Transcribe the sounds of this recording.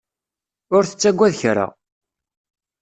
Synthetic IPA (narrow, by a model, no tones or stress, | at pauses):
ʊɾθə̥t͡sːæɡʷːæðçɾa̰